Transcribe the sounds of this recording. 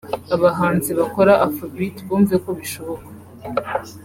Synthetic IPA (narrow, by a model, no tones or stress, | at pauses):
aβaɦaːnziβako̞ɾaʔafabitβuːɱvizeko̞βiʃo̞βokḁ